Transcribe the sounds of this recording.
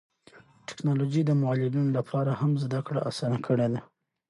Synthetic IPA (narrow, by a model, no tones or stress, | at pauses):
ʈɪ̥knɑlod͡ʒid̪əmʊɑlɪlunolapʰɑɾahamzd̪akɽaʔasɑnakʰəɽed̪a